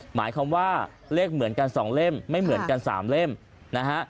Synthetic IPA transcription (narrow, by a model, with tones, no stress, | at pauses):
maː˩˦jkʰaː˧mwaː˥˩ | leː˥˩k̚mɯ˨˩˦nka˧nsɔː˩˦ŋle˥˩mːa˥˩jmɯ˨˩˦ənka˧nsa̰ː˩˦mle˥˩m | na˦˥kʰa˦˥ʔ